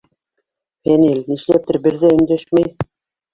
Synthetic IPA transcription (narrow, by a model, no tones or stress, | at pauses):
fænilniʃlæp̚t̪ɘɾbɘ̆ɾðæɘ̆nd̪æʃmæj